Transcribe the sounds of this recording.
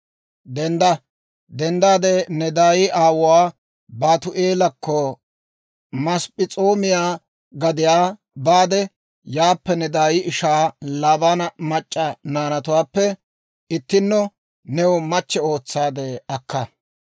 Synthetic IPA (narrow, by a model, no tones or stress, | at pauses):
d̪ɛnd̪ɐ | d̪ɛnd̪aːd̪enɛd̪aːjɪʔaːwʊwaː | baːt̪ʊʔeːlɐkʰːɔ | mɐspʼɪt͡sʼoːmɪjaː | ɡɐd̪ɪjaː | baːd̪ɛ | jaːpːɛnɛd̪aːjɪɪʃaːlaːbanɐmɐt͡ʃʼːɐnaːnɐt̪ʊwaːpːɛ | ɪt̪ːɪnːɔ | nɛwʊmɐt͡ʃːɛo̞ːt͡sːaːd̪ɛɐkːɐ